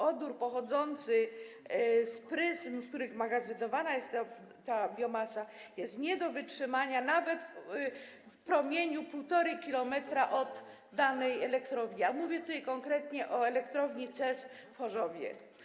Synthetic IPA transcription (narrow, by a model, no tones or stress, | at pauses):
ɔd̪uɾpɔxɔd̪zɔnt̪sɘ | spɾɘzmsk̚t̪uɾɘxmaɡazɘnɔvanajɛst̪ːat̪abʲjɔmasajɛst̪ɲɛd̪ɔvɘtʂɘmaɲanavɛt̪ | fpɾɔmʲjeɲupuwt̪ɔɾɘkʲilɔmɛt̪ɾaʔɔd̪ː | anɛjɛlɛkt̪ɾɔvɲiamuvʲjɛt̪ut̪ajkɔŋkɾɛt̪ɲɛʔɔɛlɛkt̪ɾɔvɲit̪sɛsfɔʐɔvʲjɛ̰